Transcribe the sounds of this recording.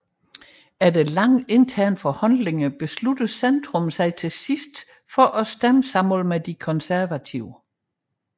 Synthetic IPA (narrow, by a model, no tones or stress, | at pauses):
æɐd̥elɑ̈ŋ̰e̝nt͡sʰæɐ̰nfɒ̽hɒnle̝ŋəb̥e̝slud̥əsend̥ʁɔ̽m̩sɑ̈ɪt͡sʰe̝sisd̥ | fɒ̽ʔɒsd̥æməsɑ̈mɔlmed̥ikʰɒ̽nsæɐʋæt͡sʰiʊ̰